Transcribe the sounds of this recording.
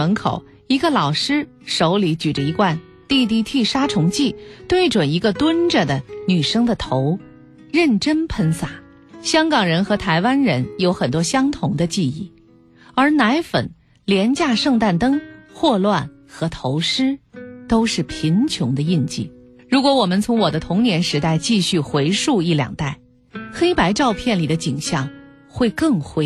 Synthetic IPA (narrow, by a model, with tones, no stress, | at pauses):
ə˧˥nkʰo̰˨˩ʊ | i˧˥ɡə˧lɑ˨˩ʊʂɻ̩˥ | ʂo˧˥ʊli˧˥t͡ɕy˨˩ʈ͡ʂə˦i˧˥kwa˥˧n | t̪i˥˧t̪̬i˥˧t̪ʰi˥˩ʂa˥ʈ͡ʂʰʊ˧˥ŋt͡ɕi˥˩t̪we˥˩ɪʈ͡ʂwə˨˩ni˧˥ɡə˧t̪wə˥nʈ͡ʂə˨˩d̪ə˩ny˨˩ʂɤ˥ŋd̪ə˨t̪ʰo˧˥ʊ | ɻə˥˩nʈ͡ʂə˥npʰə˧˥nsa˨˩˦ | ɕjɑ˥ŋkɑ˨˩ŋɻə˧˥nxɤ˧˥t̪ʰa˧˥ɪwa˥nɻə˧˥njo˧˥ʊxə˨˩nt̪wɔ˥ɕjɑ˥ŋt̪ʰʊ˧˥ŋd̪ə˧t͡ɕi˥˧i˥˩ | ə˞˧˥na˧˥ɪfə̰˨˩n | ljɛ˧˥nt͡ɕja˥˧ʂɤ˥˧ŋt̪a˥˩nt̪ɤ˥ŋxwɔ˥˧lwa˥˩n | xɤ˧˥t̪ʰo˧˥ʊʂɻ̩˥t̪o˥ʊʂɻ̩˥˩pʰi˧˥nt͡ɕʰjʊ˧˥ŋd̪ə˧i˥˧nt͡ɕḭ˥˩ | ɻu˧˥kwɔ˧˥wɔ˨˩mə˦nt͡sʰʊ˧˥ŋwɔ˨˩d̪ə˦t̪ʰʊ˧˥ŋnjɛ˧˥nʂɻ̩˧˥t̪a˥˧ɪt͡ɕi˥˧ɕy˥˩xwe˧˥ɪʂu˥˧i˥˩ljɑ̰˨˩ŋt̪a˥˩ɪ | xe˥ɪpa˧˥ɪʈ͡ʂɑ˥˧ʊpʰjɛ˥˩nli˨˩d̪ə˦t͡ɕi˨˩ŋɕjɑ˥˩ŋ | xwe˥˧ɪkɤ˥˩ŋxwe˧˥